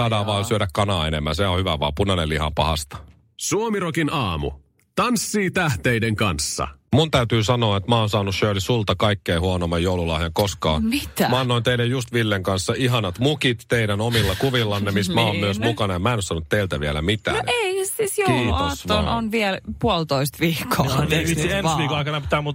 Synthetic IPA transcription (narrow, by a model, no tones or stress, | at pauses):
sɑːdɑːʋʋɑːsyøɾækkɑnɑːenemːæ̰nseohyʋæʋɑ̰ːpunɑnelihɑ̰mpɑ̰hɑ̰st̪ɑ̥ | suomirokinɑːmṵ | t̪ɑnsːiːt̪æht̪ejdeŋkɑnsːɑ̰munt̪æyt̪yːsɑno̞ɑet̪mæonsɑːnusʃøːlisult̪ɑkɑikːeːhuonomːɑjoululɑhjɑŋkoskɑːnmit̪æmɑɑnːoint̪eilːejjust̪ʋilːeŋkɑnsːɑiɦɑnɑt̪mukit̪ːeidænomilːɑkuʋilːɑnːemismæoːmyøsmukɑnɑemːæenosɑnːut̪teilt̪æʋielæ̰mit̪æ̰ːeisiːsjouosoonʋiɛlpuolt̪oist̪ʋiːkʰːoeiiensʋiːkkoɑjkɑnɑpi̥t̪æːmut̪